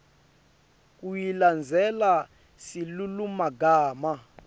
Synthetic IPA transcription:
k̬ʼujiland͡zʱɛla | silulumaɡaːma

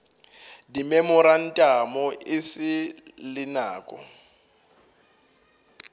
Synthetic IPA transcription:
dimɛmʊɾan̩tʼamɔʔɪsɪlɪnaːkʼɔ̰

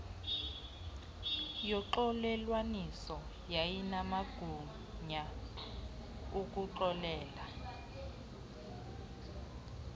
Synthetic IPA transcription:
jɔǃɔlɛlwanisɔ | jajinamaɡ̥ʱu | ɲa | uk̬ʼuǃɔlɛːla

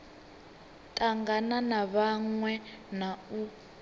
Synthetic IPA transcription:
tʼaŋɡananaβaŋwɛnau

